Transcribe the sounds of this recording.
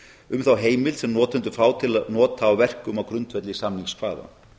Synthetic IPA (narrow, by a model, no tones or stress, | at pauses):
ʏmθawɦeːjmɪlsɛmnɔːt̪ʏnt̪ʏfɾaːwt̪ʰɪlanɔːt̪aːwvɛr̥kʏmawkɾʏnt̪vɛt̪lɪsamniŋskʰv̥aːða̰